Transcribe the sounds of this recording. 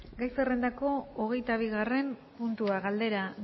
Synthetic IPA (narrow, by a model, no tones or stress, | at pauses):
ɡajsere̞nd̪ako̞oɣ̞e̞jt̪aβ̞iɣare̞mpunt̪uaɣald̪e̞ɾa